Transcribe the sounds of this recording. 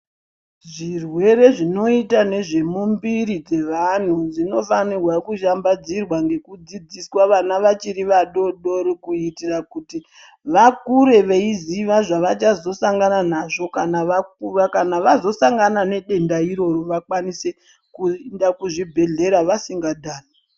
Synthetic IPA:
ʐirwe̞ɾe̞ʐino̞itane̞ʐe̞mumbiɾid͡ze̞ʋan̤ud͡zino̞fanirwakuʃambad͡zirwaŋɡe̞kud͡zid͡ziswaʋanaʋat͡ʃiɾiʋaɗo̞ɗo̞ɾikuitirakuti | ʋakuɾe̞ʋeiziʋaʐaʋat͡ʃazo̞saŋɡananaʐo̞kanaʋak̚urakanaʋazo̞saŋɡanane̞ɗe̞ndaiɾo̞ɾoʋakwanise | kundakuʐibʱe̞ɮe̞ɾaʋasiŋɡadʱaːna

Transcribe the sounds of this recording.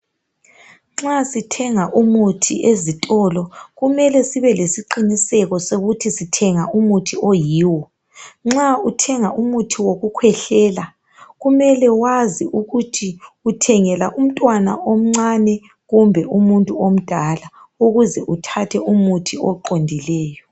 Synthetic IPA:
ŋ͡ǁasitʰɛŋaʔumutʰḭʔezitʼɔlɔɣumɛlɛsiβɛlesiǃinisɛɣɔsoɣutʰisitʰɛŋaʔumutʰiojiːwɔ | ŋ͡ǁautʰɛŋaʔumutʰiwoɣukʰwɛɬɛːla | ɣumɛlɛwaziʔuɣutʰiutʰɛŋɛlaʔum̩tʼwana̰ʔom̩ŋ͡ǀanɛ | ɣumbʱɛumuntʼuom̩d̥ʱala | uɣuzɛʔutʰatʰɛʔumutʰiɔǃondʱilɛːjɔ

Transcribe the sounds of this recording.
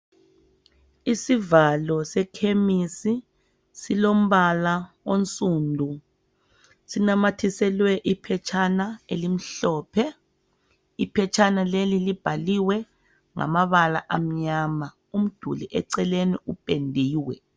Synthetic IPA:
isivalɔsɛkʰemisi | silom̩βala | ont͡sʼuːndʱu | sinamatʰisɛlwɛʔipʰɛt͡ʃʰanaelim̩ɬɔːpʰɛ | ipʰɛt͡ʃʰʼanalelilib̥ʱaliwɛ | ŋa̰maβala̰ʔam̩ɲama | um̩d̥ʱṵliʔɛǀɛleniupʼendʱiːwɛ̰

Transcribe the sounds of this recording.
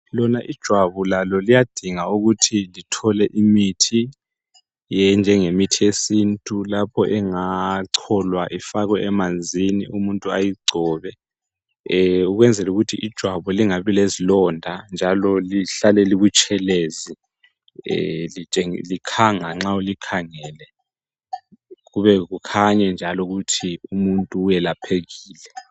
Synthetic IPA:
lɔnaʔid̥ʒ̥ʱwaβulalɔlijad̥ʱiŋauɣutʰilitʰɔlɛʔimitʰi | jɛnd͡ʒʱɛŋemitʰiesintʼulapʰɔʔɛŋaǀʰɔlwaʔifaɣwɛʔɛmand͡zʱiniʔumuntʼua̰jiɡ͡ǀʱɔːβɛ | uɣ̬wɛnd͡zʱɛluɣutʰiʔid̥ʒ̥ʱwaβɔliŋaβilezilɔndʱand͡ʒʱalɔliɬalɛlikut͡ʃʼʰɛleːzḭ | lit͡ʃʼeŋlikʰaŋaŋ͡ǁaulikʰaŋɛːlɛ | ɣuβɛɣ̬ukʰaɲɛnd͡ʒʱalɔɣ̬utʰiumuntʼuːjɛlapʰeɣiːlɛ

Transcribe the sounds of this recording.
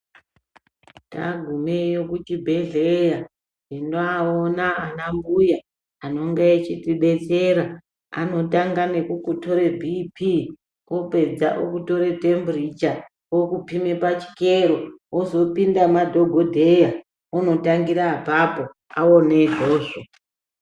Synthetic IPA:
ta̰ɡʱumejokutibʱe̞ɮeja | endoaonaanambuja | ano̞ŋɡeet͡ʃitiɓe̞t͡seɾa | a̰no̞taŋɡanekukuto̞ɾebʱipʰi | kope̞d͡za̰ʔo̰kuto̞ɾete̞mbrit͡ʃa | wokupime̞pat͡ʃi̥keɾo̞ozo̞pindamadʱo̞ɡʱodʱeja | ono̞taŋɡiɾaːpapo | a̰oneʐo̞ːʃa

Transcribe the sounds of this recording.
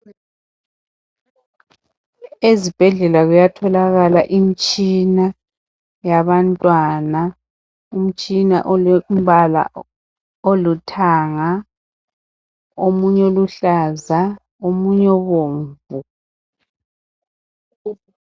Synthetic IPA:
ezib̥ʱɛɮɛlaɣujatʰɔlaɣalaʔimit͡ʃʼina | jaβantʼwana | um̩t͡ʃʼina̰ʔm̩βala̰ | olutʰaŋa | omuɲɛoluɬaza | omuɲɔβoːɱvu

